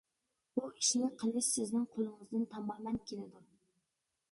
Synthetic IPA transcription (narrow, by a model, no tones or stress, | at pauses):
buiʃnɪqʰəlˠɪʃsɪznɪŋqʰolˠɨŋɨzd̪ɨnt̪ʰɑmɑːmɛnkʲʰelɪd̪u